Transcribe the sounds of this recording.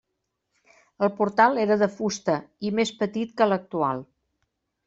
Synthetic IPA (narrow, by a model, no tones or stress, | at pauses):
əlˠpuɾt̪alˠeɾəðəfust̪əimespət̪it̪kələk̚t̪ua̰lˠ